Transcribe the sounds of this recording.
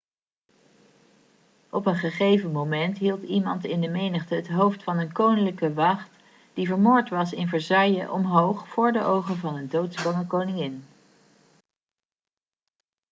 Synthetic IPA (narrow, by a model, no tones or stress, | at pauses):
ʔɔpənχəχejvənmowmɛntɦilˠtimɑntɪndəmejnəχtəɦətɦowftfɑnənkownələkəʋɑχt | d̥ivəɹmʊːɹtʋɑsɪnvəɹzɑjəʔɔmɦowχfʊːɹdəʔowχənvɑnədowtsbɑŋəkownɪŋɪn